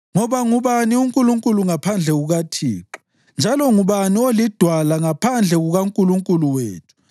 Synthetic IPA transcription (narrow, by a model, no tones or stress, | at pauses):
ŋɔβaŋuβaniuŋkʼuluŋkʼuluŋapʰand͡ɮʱɛɣuɣatʰḭːǁi̥ | nd͡ʒʱalɔŋuβaniolid̥ʱwalaŋapʰand͡ɮʱɛɣuɣaŋkʼuluŋkʼuluwḛːtʰu̥